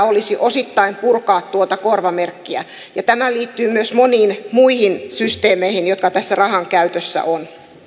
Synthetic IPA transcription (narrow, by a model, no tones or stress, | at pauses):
olisiʔosit̪ːɑimpurkɑːt̪t̪ːuot̪ɑkorʋɑmerkːiæ | jɑt̪æmæliːt̪ːyːmyøsmoniːnmuihinsyst̪eːmeihinjot̪̚kɑt̪æsːærɑhɑŋkæyt̪øsːæ̰ʔon